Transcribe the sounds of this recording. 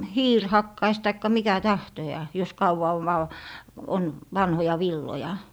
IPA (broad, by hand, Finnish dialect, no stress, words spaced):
hiːr hɑkːɑis tɑikːɑ mikæ tɑhtojɑː jos kɑuwɑ oʋ ʋɑw on ʋɑnhojɑ ʋilːojɑ